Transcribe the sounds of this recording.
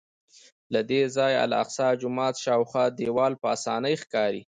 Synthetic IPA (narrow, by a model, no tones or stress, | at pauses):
lad̪ezɑja̰la̰qsɑd͡ʒʊmɑt̪ʃɑwxwɑd̪ewɑlpəasɑnəjxkɑɾi